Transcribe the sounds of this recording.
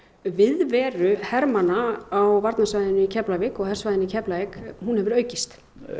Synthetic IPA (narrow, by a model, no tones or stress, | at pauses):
vɪðvɛːɾʏhɛɾmanaːwvaɾt̪nasvajðʏnʏicʰɛplavɪkɔɣhɛɾ̥svajðɪnicʰɛplavɪkɦunhɛvʏɾœːɥcɪst̪